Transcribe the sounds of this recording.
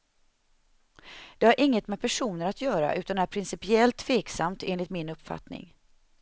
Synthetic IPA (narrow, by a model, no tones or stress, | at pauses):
d̪̥ɛhaɾʔɪŋːət̪mɛpʰæʂuːnəɾat̪jœːɾa̰ʔʉ̟ːt̪and̪æɾpʰɾɪnsɪpɪɛlt̪ʰːveːksamt̪eːnlɪt̪mɪnɵpfa̰t̪nɪ̰ŋ